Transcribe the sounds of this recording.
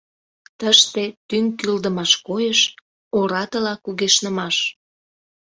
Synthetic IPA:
t̪əʃt̪et̪yŋkyld̪əmɑʃkojəʃ | oɾɑt̪əlɑkuɣeʃnəmɑʃ

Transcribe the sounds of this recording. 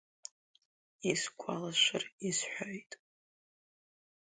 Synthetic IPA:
iskʷʰalaʃʷɨrisħʷᶣojtʼ

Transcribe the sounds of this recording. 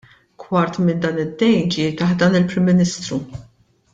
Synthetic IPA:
kʰwɐɾt̪mɪnd̪ɐːnɪd̪ːɛjnd͡ʒiːɾt̪ɐħd̪ɐːnɪlpɾɪmːɪnɪst̪ɾu

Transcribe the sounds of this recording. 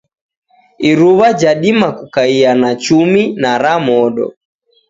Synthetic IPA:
iɾuβad͡ʒaɗimakukaianat͡ʃuminaɾamɔɗɔ̰

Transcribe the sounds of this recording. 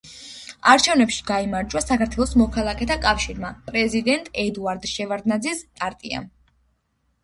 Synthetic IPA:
aɾt͡ʃʰɛvnɛpʃi̥ɡaimaɾd͡ʒwasakaɾt̪ʰwɛlˠɔsmɔkʰalˠakʰʼɛt̪ʰakʼafʃiɾmapʼɾɛzid̪ɛnt̪ʼɛd̪uaɾd̪ʃɛvaɾd̪nad̪zispʼaɾt̪ʼia̰

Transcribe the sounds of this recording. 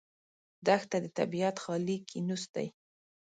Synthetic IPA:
d̪axt̪ad̪ət̪a̰biat̪xɑlikʰinust̪a̰j

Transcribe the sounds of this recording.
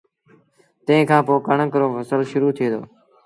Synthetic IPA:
t̪ə̃ɦɪ̃ːkʰãːpoːkəɳəkəɾoːʋəsəlʃʊɾuːt̪ʰeːd̪o̰ː

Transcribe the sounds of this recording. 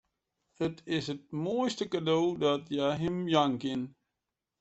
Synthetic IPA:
ətʰɪsət̚moəjstəkadowdɔtjaɦɪmjaŋkɪn

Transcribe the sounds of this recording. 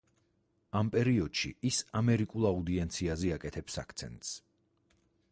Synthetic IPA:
ampʼɛɾiɔd̪̥ʃḭʔisamɛɾikʼulˠaud̪iɛnt̪sʰiazɛakʼɛt̪ʰɛpsa̰kʰt̪sʰɛ̰nt̪ʼs

